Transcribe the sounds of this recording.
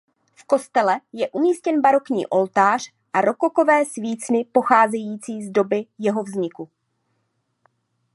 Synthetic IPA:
fko̞st̪ɛlɛjɛʔumiːscɛnbaɾo̞kɲḭːʔo̞lt̪aːr̝̥ | ʔaɾo̞koko̞vɛːsviːt͡snɪpo̞xaːzɛjiːt͡siːzdo̞bɪjɛɦo̞vzɲɪku

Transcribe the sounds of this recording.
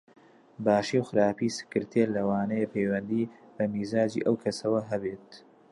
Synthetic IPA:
baːʃiwxɨɾaːpiːsɨ̥kɨɾt̪ʰeɾlɐwaːnɐjepʰejwɐnd̪iːbɐmiːzaːd͡ʒḭːʔɐwkʰɐsɐwɐɦɐbeːt̪̚

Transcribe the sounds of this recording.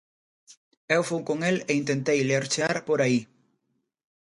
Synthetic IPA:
ewfowkoŋeleint̪ent̪ejleɾt͡ʃaɾpoɾai

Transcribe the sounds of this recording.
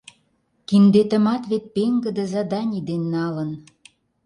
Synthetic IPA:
kind̪et̪ə̆mɑt̪βet̪̚peŋɡə̆d̪ə̆zɑd̪ɑnʲid̪enːɑlə̆n

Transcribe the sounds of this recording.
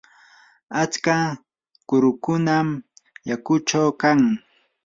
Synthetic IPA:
at͡ska | kʊɾʊkʊnamjakʊt͡ʃawkaŋ

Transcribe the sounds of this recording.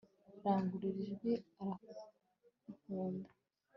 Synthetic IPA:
ɾaːŋɡuɾiɾiʒɡeaɾa | ukuːndḁ

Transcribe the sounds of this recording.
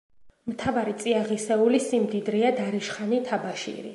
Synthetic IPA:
mt̪ʰavaɾit̪sʼiaʁisɛulisimd̪id̪ɾiad̪aɾiʃχanit̪ʰabaʃḭɾḭ

